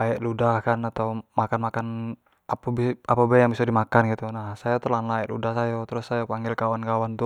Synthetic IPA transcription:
aɛʔludahkanat̪aumakanmakan | apabiapabɛjaŋbisadimakanɡit̪unahsajat̪ulanlaɛʔlṵdahsajɔt̪ɾʊsːajapaŋɡɪlkawankawant̪u

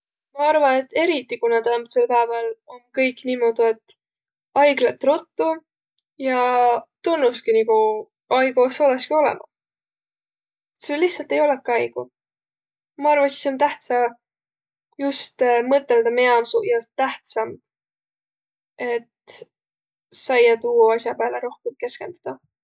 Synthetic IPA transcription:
mɑɑrvɑne̞t̪ːˑe̞ɾit̪ːˑikunɑd̪̥ɑmt̪se̞lpæːvelo̞nkɤjkːˑniːmo̞d̪̥ie̞t̪ː | ɑjɡlet̪ːˑrot̪ːu | jɑt̪unːuskiniɡu | ɑjɡuoso̞leskio̞lɛ̰mɑ | et̪selihtsɑlt̪e̞jo̞lekːˑɑjɡ̥u | mɑɑrvɑsi̥so̞nt̪æht̪sɑ | just̪mɤt̪ːˑeld̪̥ɑmeɑmsuʔjɑst̪æht̪sɑm | e̞t̪ | sɑjɑt̪uːɑsjɑpæːleɾo̞hkemke̞ske̞nd̪̥ud̪̥ɑ

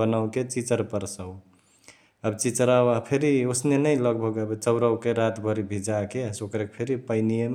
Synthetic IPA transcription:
ənawket͡ʃit͡ʃəɾpəɾsəu | əbt͡ʃit͡ʃəɾawapʰeɾiosnenəjləɡ̚bʱəɡəbet͡ʃəʊɾəwkeɾat̪bʱəɾibʱid͡ʒakesokɾekepʰeɾipəɪnijem

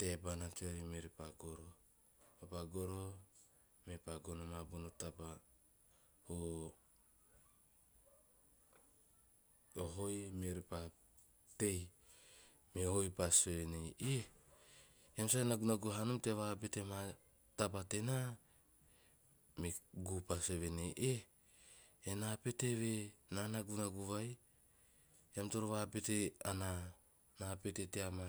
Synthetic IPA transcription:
te̞banat͡ʃojmeɾipaɡoɾo | mepaɡoɾo | mepaɡonomabunotaba | ho | oɦojmeɾipa | te̞j | mehojpasoeneji | jamsaenaɡunaɡuɦanumte̞βap̬ete̞ma | tapatena | meɡupaseβe̞nejʔe | nape̞te̞βe̞nanaɡunaɡuβaj | amto̞ɾoβape̞teana | nape̞te̞teama

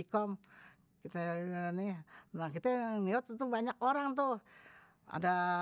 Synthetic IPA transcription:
ikɔm | kit̪anihnakit̪aniɔt̪̚t̪ubaɲak̚oɾaŋt̪uh | a̰da

